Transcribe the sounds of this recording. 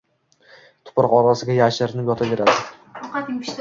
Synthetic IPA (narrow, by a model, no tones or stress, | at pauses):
t̪ʰʊ̥pɾqɒɾasɪɡʲajaʃɪɾnɪpjɒt̪ʰave̞ɾad̪ɪ | qɑt̪ɪ̥